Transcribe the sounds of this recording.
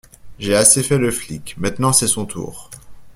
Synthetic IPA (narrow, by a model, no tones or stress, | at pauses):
ʒeasefɛləflikmɛ̃t̪nɑ̃sɛsɔ̃t̪ʰṵːʁ